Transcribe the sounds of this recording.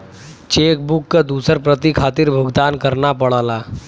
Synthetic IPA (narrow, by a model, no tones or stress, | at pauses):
t͡ʃeːk̚bʊkːad̪uːsəɾpɾət̪ikʰaːt̪ɪɾbʱʊɡd̪aːnkəɾnapɐɽaːlaː